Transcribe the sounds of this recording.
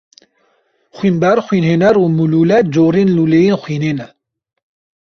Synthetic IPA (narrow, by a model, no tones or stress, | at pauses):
xʷwiːnbɛɾxwiːnɦeːnɛɾuːmuluːlɛd͡ʒoːɾeːnluːlejenxwiːneːnɛ